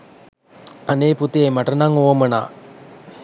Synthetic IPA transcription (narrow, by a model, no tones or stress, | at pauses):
aneːput̪eːmaʈənaŋowəməna̰ː